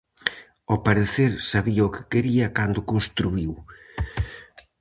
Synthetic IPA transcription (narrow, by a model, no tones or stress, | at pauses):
opaɾeθeɾsaβiɐokɪ̥keɾiɐkand̪ʊkonst̪ɾuiw